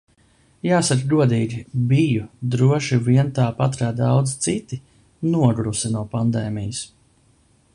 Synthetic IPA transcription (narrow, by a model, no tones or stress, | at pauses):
jaːsakɡuɔd̪iːɡʲibijud̪ɾuɔʃiviɛnt̪aːpat̪ɾaːd̪awd̪zt̪sit̪i | nuɔɡɾusinuɔpand̪ɛːmijɐs